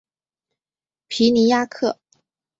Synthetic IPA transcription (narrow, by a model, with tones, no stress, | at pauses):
pʰi˧˥ni˧˥ja˥˧kʰɤ˥˩